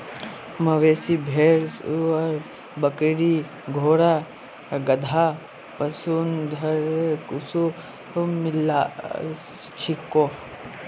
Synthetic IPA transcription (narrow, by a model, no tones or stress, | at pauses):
mɐʋeːsibʱeːɾsɐɾ | bɐkɾi | ɡʱoːɽa | ɡɐd̪ʱa | pɐsund̪ʱɐɾekusu | milːast͡ʃʰikːo